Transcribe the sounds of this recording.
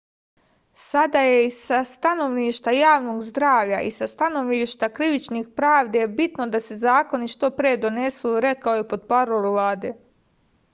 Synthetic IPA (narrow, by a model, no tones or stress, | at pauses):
sad̪ajeisast̪ano̞ʋniʃt̪ajaːʋno̞ɡzd̪ɾaːʋʎaʔisast̪ano̞ʋniʃt̪akɾiʋit͡ʃnixpɾaːʋd̪ebit̪no̞d̪ase̞zaːko̞niʃt̪o̞pɾejed̪o̞ne̞suɾe̞kaojepo̞d̪paɾoɾuʋlaːd̪e̞